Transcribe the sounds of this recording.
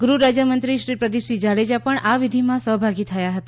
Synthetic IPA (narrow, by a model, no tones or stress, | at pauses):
ɡɾuɾad͡ʒjəmənt̪ɾiʃɾipɾəd̪ipsid͡ʒaɭed͡ʒapəɳʔaʋid̪ʱimãsəɦbʱaɡit̪ʰəjaɦət̪a